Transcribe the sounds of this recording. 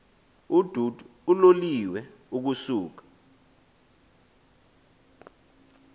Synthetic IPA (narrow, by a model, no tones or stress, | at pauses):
ud̥ʱudʱuloliwɛuk̬usuːk̬ḁ